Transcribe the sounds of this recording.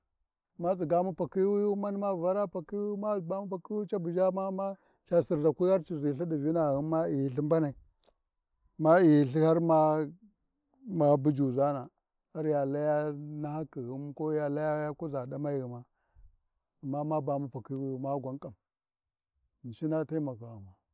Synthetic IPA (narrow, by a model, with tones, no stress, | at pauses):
ma˦t͡si˨ɡa˦mu˦pa˨ki˦wju˦ma˦ni˦ma˦˨va˦ɾa˦pa˨ki˦wi˦ma˦˨ba˦mu˦pa˨ki˦wu˦t͡ʃa˦bu˨d͡ʒa˦ma˦ma˦ | t͡ʃa˨si˨ɾza˨kʷi˦a˦ɾt͡ʃi˨zi˨ɬa˦di˨vi˦na˨ɣi˦ma˦i˨jɬi˦mba˦na˨i˨ | ma˦i˨ɬi˦ha˦ɾma˦ | ma˨bu˦d͡ʒu˨za˦na˨ | a˦ɾja˨la˦ja˦na˦ha˦ki˨ɣi˦m˦ko˦ja˨la˦ja˦ja˦ku˦za˨da˦ma˦ji˨ɣi˨ma˦ | a˨mːa˦ma˦ba˨mu˦pa˨ki˦wi˦u˦ma˦ɡʷa˨˦ŋkʼa˨m | n˨ʃi˦na˦ta˦i˦ma˨ka˨ma˨